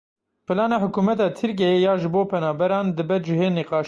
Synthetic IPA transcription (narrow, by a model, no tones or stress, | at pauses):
pʰɨlɑːnɑːhʊkuːmɛt̪ɑːt̪ʰɨɾk̬ɛjejɑːʒɨboːpʰɛnɑːbɛɾɑːnd̪ɨbɛt̪d͡ʒɪɦeːniqɑːʃ